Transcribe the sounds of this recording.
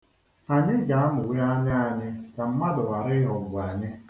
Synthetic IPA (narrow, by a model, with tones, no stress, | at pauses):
a˨ɲɪ˦ɡa˨˦a˦mʊ˨we˦ɾa˦ɲɪ˦a˨ɲɪ˦ka˨m̩˦ma˦dʊ˨wa˨ɾɪ˦ɦɔ˨bʊ˨a˨ɲɪ˦